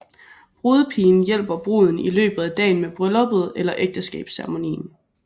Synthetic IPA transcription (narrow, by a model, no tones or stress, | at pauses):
b̥ʁuːð̞ˠpʰiːn̩jel̰b̥ɐb̥ʁuð̞ˠn̩ilø̰ːb̥ð̞̩ˠæd̥ɛ̰ːnmeb̥ʁœlɒ̽b̥ð̞̩ˠelɐʔeɡ̥̚d̥əsɡ̥ɛ̰ːb̥sæɐʁmo̝nḭːn